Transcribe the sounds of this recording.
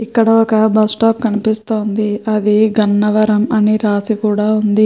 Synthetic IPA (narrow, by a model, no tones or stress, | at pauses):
ikːɐɽɐɔkɐbɐsʈaːpkɐnipist̪o̞ːnd̪iɐd̪iɡɐnːɐʋɐɾɐmɐniɾaːsikuːɽaːund̪i